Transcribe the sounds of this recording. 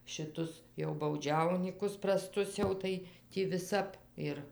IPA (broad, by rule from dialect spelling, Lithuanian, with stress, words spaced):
ʃʲɪˈtʊs jɛʊ bɐʊˈd͡ʒʲɛʊnʲiːkʊs prɐˈstʊs ˈjɛʊ tɐɪ ˈtʲiː ʋʲɪˈsɐp ɪr